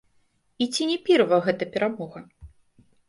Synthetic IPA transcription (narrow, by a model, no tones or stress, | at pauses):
it͡sʲinʲɛpʲɛrvɐɣɛt̪ɐpʲɛɾamɔɣɐ